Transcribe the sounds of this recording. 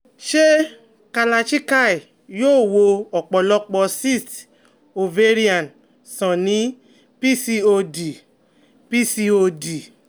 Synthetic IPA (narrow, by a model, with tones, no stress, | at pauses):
ʃe˦ | ka˧la˧ʃi˦ka˦˨i˨ | joː˦˨wo˧ɔ˨k͡pɔ˨lɔ˧˦k͡pɔ˧si˦˨t | o˨ve˦˧ɾi˦a˨n | sɔ̃˨nĩ˨˦ | pi˦si˧o˧di˨ | pi˦si˧o˧di˨